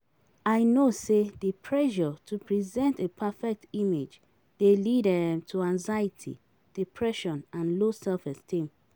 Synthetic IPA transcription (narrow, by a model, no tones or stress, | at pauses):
aɪnosedipʰɹɛʒɔtʰupʰɹizɛ̃ntepʰɛfɛk̚timed͡ʒ | delidɛmtʰuãŋzaitʰḭ | d̥ipʰɹɛʃɔ̃nãnlosɛlfɛstĩm